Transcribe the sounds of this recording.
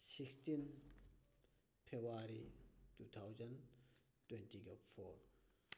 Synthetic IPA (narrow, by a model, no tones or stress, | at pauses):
sikstin | pʰebaɾituːt̪ʰawzɐn | twɛntiɡafoɾ